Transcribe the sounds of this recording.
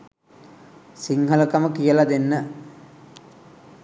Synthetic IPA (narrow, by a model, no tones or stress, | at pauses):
siŋɦələkəməkijəlad̪enːə